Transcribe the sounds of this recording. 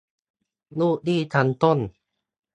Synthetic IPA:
nuː˥˩k̚diː˥˩t̪ʰa˧nt̪o˥˩˨n

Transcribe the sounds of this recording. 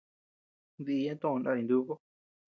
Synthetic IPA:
nd̪i˧jã˦t̪õ˦ʔõ˧nã˧ĩ˧nd̪u˦ko˦

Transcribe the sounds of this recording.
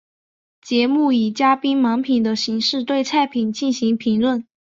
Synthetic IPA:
t͡ɕjɛ˧˥mu˥˩i˨˩t͡ɕja˥pi˥nmɑ˧˥ŋpʰi˨˩ŋd̪ə˦ɕi˧˥ŋʂɻ̩˥˧t̪we˥˧ɪt͡sʰa˥˩ɪpʰi˨˩nt͡ɕi˥˩nɕi˧˥ŋpʰi˧˥ŋlwə˥˩n

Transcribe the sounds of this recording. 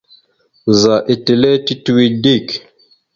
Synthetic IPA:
u˨za˨ʔi˨te˨lɛ˦ti˦tu˦wi˨di˦˨k

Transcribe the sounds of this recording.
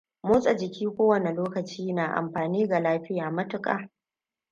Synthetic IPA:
moː˦sʼɐ˨d͡ʒɪ˨kʲiː˦kʷoː˦wɐ˨ne˨loː˦kɐ˨t͡ʃiː˦naː˨ʔa̰˨mɸaː˨niː˦ɡa˨laː˦ɸɪ˦jaː˨mɐ˦tʊ˨kʼa̰ː˦

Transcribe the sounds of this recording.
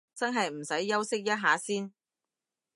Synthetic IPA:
t͡sɐ˥nɦɐ˨jm̩˨˩sɐ˨˥jːɐ˥wsɪ˥k̚jɐ˥t̚ɦaː˨˥siː˥n

